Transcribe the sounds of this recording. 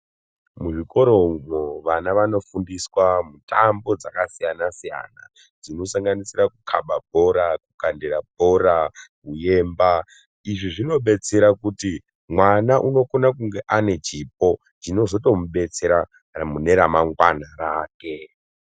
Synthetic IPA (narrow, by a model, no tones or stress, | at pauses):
muʐiko̞ɾo̞umoʋanaʋano̞fundiswamutambo̞d͡zakasijanasija̰na | d͡zino̞saŋɡanisirakukʰaɓabʱo̞ɾakukandeɾabʱo̞ɾakuje̞ːmba | iʐiʐino̞ɓe̞t͡se̞ɾakuti | mwanaʔuno̞konakuŋɡe̞ʔane̞t͡ʃip̚o̞ | t͡ʃino̞zo̞to̞muɓe̞t͡se̞ɾa | mune̞ɾamaŋɡwanaɾaːke̞